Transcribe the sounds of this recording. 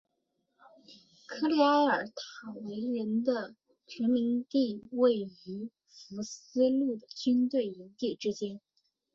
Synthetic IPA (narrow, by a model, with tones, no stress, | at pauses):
kʰɤ˥˧li˥a˥ɪə˞˨˩˥t̪ʰɑ˨˩ʊwe˧˥ɪɻə˧˥nd̪ə˧ | t͡ɕʰɛ˧˥nmi˧˥ŋt̪i˥˧we˥˩ɪy˧˥ | fu˧˥sɹ̩˥lu˥˩d̪ə˩t͡ɕy˥nt̪we˥˩ɪi˧˥ŋt̪i˥˩ʈ͡ʂɻ̩˥t͡ɕjɛ˥n